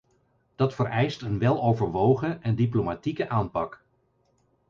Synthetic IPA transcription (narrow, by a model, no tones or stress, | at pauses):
d̥ɑtfəɾɛjstənʋɛlˠowvəɹʋowχəʔɛndiplomatikəʔaːnpɑk